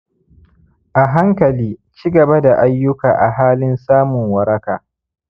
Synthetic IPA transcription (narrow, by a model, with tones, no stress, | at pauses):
ʔa˨ɦa˦ŋkɐ˨liː˦t͡ʃiː˦ɡɐ˨ba˦da˨ʔa˦jːʊ˦kaː˨ʔa˨ɦaː˦lɪ˦nsaː˦mʊ˨ŋwɐ˦ɾɐ˦ka̰ː˨